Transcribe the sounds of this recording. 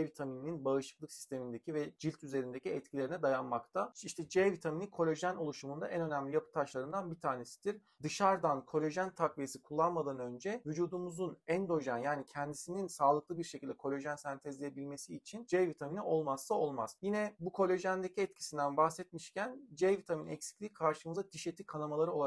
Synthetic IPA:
vit̪ʰaminininbaɯʃɯ̥klˠɯksi̥st̪ʰe̞mind̪e̞cʰivɛd͡ʒilʲt̪ʰyze̞ɾind̪eciɛt̪cʰilʲe̞ɾinɛd̪ajanmakt̪ʰaiʃt̪ʰɛd͡ʒɛvit̪ʰaminikʰo̞lʲeʒæno̞lˠuʃumund̪aʔɛnø̞næmlʲijapʰɯ̥t̪ʰaʃlˠaɾɯnd̪anbit̪ʰaːne̞si̥d̪̥iɾ | d̪ɯʃaɾd̪ankʰo̞lʲe̞ʒænt̪ʰakvijesi̥kʰulˠːanmad̪anø̞nd͡ʒɛvyd͡ʒuːd̪umuzunɛnd̪o̞ʒænjaːnicʰɛnd̪isininsaːlˠɯklˠɯbiɾʃecʰilʲd̪ɛkʰo̞lʲe̞ʒænsænt̪ʰɛzlʲijebilʲme̞siːt͡ʃʰind͡ʒɛvit̪ʰaminiʔo̞lˠmasːao̞lˠma̰z̥jinɛbukʰo̞lʲe̞ʒænd̪e̞cʰiɛt̪cʰi̥sind̪ænbaxsɛt̪̚miʃcʰænd͡ʒɛvit̪ʰaminɛ̰csi̥clʲiːkʰaɾʃɯmɯzd̪at̪ʰiʃet̪ʰikʰanamalˠaɾɯo̞lˠ

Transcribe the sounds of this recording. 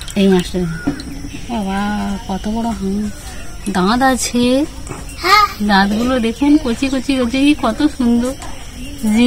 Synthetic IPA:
ejmãʃʈe | abakɔt̪obɔɽoɦã | d̪ãd̪at͡ɕʰe | d̪ãd̪ɡulod̪ekʰunkot͡ɕikot͡ɕiɾod͡ʑekikɔt̪oʃund̪oɾ | d͡ʑi

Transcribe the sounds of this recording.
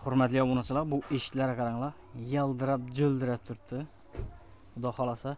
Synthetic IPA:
χʊɾmɛt̪lijɑwonɨt͡ʃʰɨlˠɑqbuʔeʃlæɾqʰɑɾɑŋlˠɑ | jɑlˠd̪ɨɾɑp̚d͡ʒøld̪ɪɾɛp̚t̪ʰʊɾɨp̚t̪ʰɨ | d̪ɑχɑlˠɑsɑ

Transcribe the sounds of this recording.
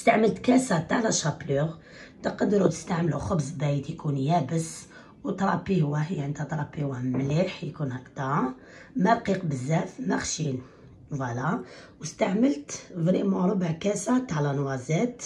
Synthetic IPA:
st̪aʕməlt̪kæsæt̪ːaʕlæʃɑpluɣ | t̪əqd̪ɾut̪ə̥st̪aʕmluxəbzˤbæjt̪jkunjæbəs | wt̪ɾˤɑpːihwːæɦəjʕənd̪æt̪ɾˤɑpːihwæmliħjkunhækt̪ɑɾ | mælqiqbəzːæfmæxʃin | vælæwəst̪aʕməlt̪vɾimoɾˤubəʕkæsæt̪aʕlænwæzæt̪

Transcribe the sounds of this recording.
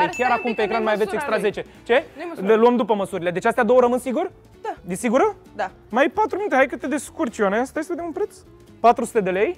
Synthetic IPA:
ekʲjaɾakumpe̞ːkɾanmajave̞sekst̪ɾaze̞t͡ʃe̞ | t͡ʃe̞eluəmd̪upəməsuɾʲile̞d̪e̞t͡ʃast̪ead̪o̞wəɾəmɨnsiɡur | d̪isiɡuɾə | d̪a | majpat̪ɾuminut̪eɦajkət̪ed̪eskurt͡ʃianeast̪ajesəveemunpɾet̪s | pat̪ɾusu̥t̪e̞d̪e̞le̞j

